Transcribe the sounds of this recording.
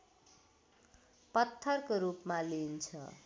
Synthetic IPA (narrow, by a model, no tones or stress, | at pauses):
pʌt̪ʰːʌrkoɾupmalint͡sʰʌ̰